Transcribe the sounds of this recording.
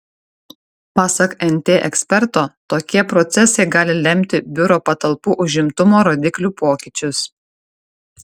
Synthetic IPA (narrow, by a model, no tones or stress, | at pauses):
pɑːsɐkɛnʲt̪ʲeːʔɛksʲpʲɛɾt̪oːt̪oːkʲiɛpɾɔt̪sʲɛsɐɪɡɑːlʲɪlʲɛmʲt̪ʲɪbʲʊɾoːpɐt̪ɐlˠpuːʔʊʒʲɪmt̪ʊmoːɾoːd̪ʲɪklʲuːpoːkʲɪˑt͡ʃʲʊs